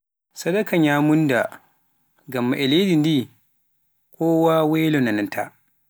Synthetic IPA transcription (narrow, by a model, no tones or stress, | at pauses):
sɐdakʰaɲaːmunda | ɡamːaʔɛledindi | kʰɔːwawɛːlɔnanantʰa